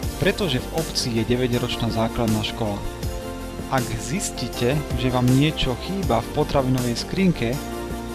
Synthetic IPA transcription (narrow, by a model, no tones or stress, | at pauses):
pɾɛt̪ɔʒɛvɔpt͡siːjɛɟɛʋɛɟɾɔt͡ʃnaːzaːklad̪naːʃkɔla | ʔaɡzisciːcɛʒɛʋaːmɲɪɛt͡ʃɔxiːbafpɔt̪ɾaʋinɔʋɛjskɾiːŋkɛ